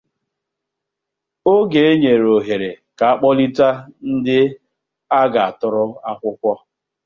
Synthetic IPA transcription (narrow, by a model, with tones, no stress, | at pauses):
o˦ɡe˨e˦ɲe˨ɾo˨ɦe˨ɾe˨ | ka˨a˦k͡pɔ˦li˦ta˦n̩˦dɪ˦ | a˦ɡa˨a˨tʊ˨ɾʊ˦a˦kʷʊ˦kʷɔ˦